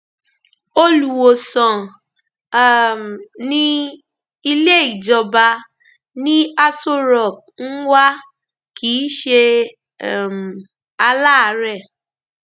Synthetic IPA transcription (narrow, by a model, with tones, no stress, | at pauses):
o˦lu˨wo˨sɔ̃˨ | nĩ˦ | i˧le˦i˦˨d͡ʒɔ˧ba˧ | nĩ˦a˧so˦ɾɔ˨k̚ | n̩˦wa˦ | kiː˨˦ʃe˧˨ | m˨ | a˧la˦a˧˦ɾɛ˦˨